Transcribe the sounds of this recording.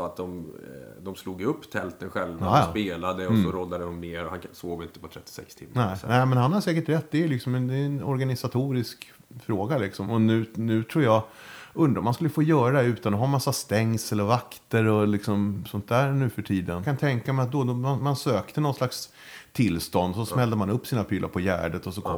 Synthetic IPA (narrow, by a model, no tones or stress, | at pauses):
sɔat̪̚d̪ɔmd̪ɔmsluːɡɪɵpːt̪ʰɛlt̪ənɧɛlvaɑsːpeːlad̪əɔsɔɾɔd̪ːad̪əhɔmneːɾɔhansoːvɪnt̪əpʰɔt̪ʰɾɛt̪ːɪ̥sɛ̰kst̪ʰɪmːnɛnɛːmɛnhanhad̪sɛːkəʈɾɛt̪ːd̪ɛlɪksɔmɛnd̪ɛɛnɔ̰ɾɡanɪsat̪ʰuːɾɪsk | fɾoːɡalɪksɔmɔnʉ̟ːnʉ̟ːt̪ʰɾuːɾja | ɵnd̪ɾamanskɵlːəfoːjœːɾad̪ɛʉ̟ːt̪anɔɦamasːast̪ɛŋːsɛlːəɾvakt̪əɾɔlɪksɔmsɔnt̪̚d̪æːɾnʉ̟ːfœʈʰiːd̪ənkʰant̪ʰɛŋkamɛjat̪̚d̪ɔd̪ɔmanmansøːkt̪ənɔnslaks | t̪ʰɪlst̪ɔnd̪sɔsmɛld̪əmanɵpːsiːnapʰyːlʔa̰pʰɔjæ̰ːɖət̪ɔsɔkʰɔ̰